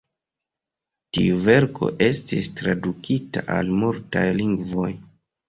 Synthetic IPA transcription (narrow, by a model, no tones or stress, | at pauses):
tiuve̞ɾkʰo̞̰ʔe̞stistɾadukitaʔalmultajliŋɡvo̞j